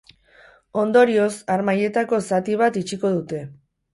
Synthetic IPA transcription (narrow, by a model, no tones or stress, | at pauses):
o̞nd̪o̞ɾio̞saɾmaje̞t̪ako̞sat̪iβ̞at̪it͡ʃiko̞ðut̪e̞